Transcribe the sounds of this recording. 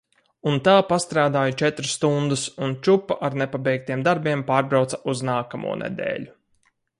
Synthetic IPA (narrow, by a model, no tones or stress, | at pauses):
unt̪aːpast̪ɾaːd̪aːjut͡ʃɛt̪ɾɨsːt̪und̪usunt͡ʃupːaʔaɾnɛpabɛjk̚t̪ijɛmd̪aɾbiɛmpaːɾbɾawt̪saʔuznaːkamṵɔnʔḛd̪ɛ̰ːʎʲu